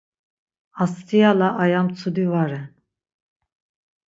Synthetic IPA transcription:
ast̪ʰijalaʔːjamt͡sʰud̪ivaɾɛn

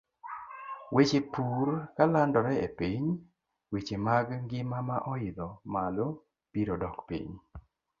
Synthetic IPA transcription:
wet͡ʃepuɾkalandɔɾɛepiɲ | wet͡ʃemaɡŋɡɪmamaʔɔɪd̪ɔmalo | piɾɔdɔkpḭɲ

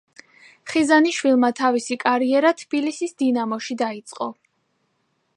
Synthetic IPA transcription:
χizaniʃwilˠmat̪ʰavisikʼaɾiɛɾat̪ʰb̥ilisisd̪inamɔʃid̪ait̪sʼqʼɔ

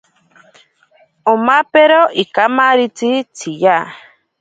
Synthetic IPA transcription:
omapeɾoʔikamaɾit͡sit͡sʰija

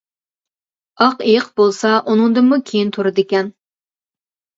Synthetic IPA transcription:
ɑqejɪqbolˠsɑʔunɨŋd̪ɨmukʲʰejint̪ʰoɾɨd̪ɪkʲɛn

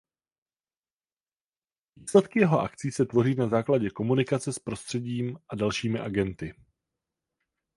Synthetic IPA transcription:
viːslɛt̪kɪjɛɦo̞ʔa̰kt͡siːsɛt̪vo̞riːnazaːklaɟɛko̞munɪkat͡sɛspɾo̞st̪r̝̥ɛɟiːmʔadalʃiːmɪʔaɡɛnt̪ɪ

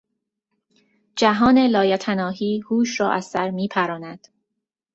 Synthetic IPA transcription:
d͡ʒæɦɒːnelɒːjæt̪ʰænɒːɦiːhuːʃɾɒːʔæzsæɾmiːpʰæɾɒːnæd̪̥

